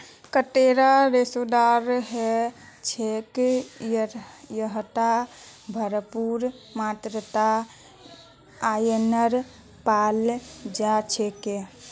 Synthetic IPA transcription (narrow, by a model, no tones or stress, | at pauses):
kəʈeɾaɾesod̪aɾɦɛt͡ʃʰek | jəɦt̪abʱəɾəpuɾmat̪ɾət̪a | ajenəɾ | pald͡ʒat͡ʃʰeke